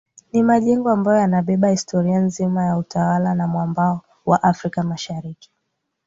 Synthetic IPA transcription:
nimaʄɛŋɡɔambajɔjanaɓɛɓahistʰɔɾianzimajautʰawalanamwambaɔ | waʔafɾikamaʃaɾiki̥

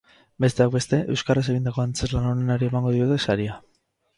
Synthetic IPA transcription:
be̞st̪e̞ak̚be̞st̪e̞ʔewskares̬e̞ɣind̪ako̞ant͡se̞zlanaone̞naɾie̞maŋɡo̞ðio̞t̪e̞saɾia

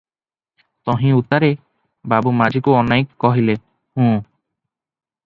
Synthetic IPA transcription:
t̪ɔɦĩut̪aɾe | babumad͡ʒikuɔnajkːɔɦile | hũː

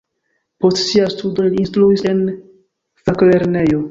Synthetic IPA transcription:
po̞stsiastudo̞liːnstluise̞n | fakle̞ɾne̞jo̞

